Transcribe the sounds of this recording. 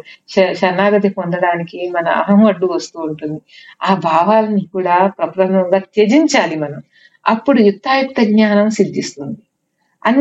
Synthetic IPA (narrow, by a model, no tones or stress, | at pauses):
ʃɐnːaːɡɐt̪ipond̪ɐɽaːnikimɐnɐ̰ɐ̰ɦɐmɐɖːuʋɐst̪uːɳʈund̪iaːbʱaːʋaːlɐnikuːɽaːpɾɐpɾɐmɐŋɡaːt͡ʃed͡ʒiɲt͡ʃaːlimɐnɐm | ɐ̰pːuɽujut̪ːaːjukt̪ːɐɡɲaːnɐmsid̪ːist̪und̪i | ɐnː